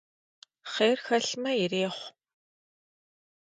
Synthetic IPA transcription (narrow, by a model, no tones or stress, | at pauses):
χeːrxɐɬmɐjɪreːχʷ